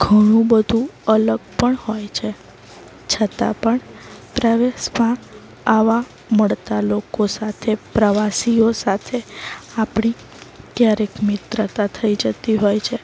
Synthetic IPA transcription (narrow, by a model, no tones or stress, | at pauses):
ɡʱəɽ̃ũbəd̪ʱũələɡ̚pəɳhojt͡ʃʰe | t͡ʃʰət̪a̰pəɳpɾəʋeʃmã | aʋa | məɭt̪alokosat̪ʰepɾəʋasiosat̪ʰeapɳ̃i | kjaɾekmɪt̪ɾət̪at̪ʰəid͡ʒət̪iɦojt͡ʃʰe